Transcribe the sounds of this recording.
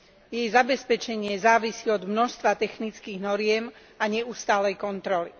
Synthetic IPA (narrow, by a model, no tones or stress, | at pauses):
jɛjzabɛspɛt͡ʃɛɲɪɛzaːʋisiɔd̪mnɔʃst̪ʋat̪ɛxnit͡skiːɣnɔɾɪɛm | aɲɛust̪aːlɛjkɔnt̪ɾɔli